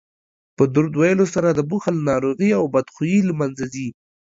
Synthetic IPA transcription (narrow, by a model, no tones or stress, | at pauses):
pəd̪ʊɾd̪wajəlosaɾad̪əbuxalnɑɾoɣiawbad̪xujilmanzazi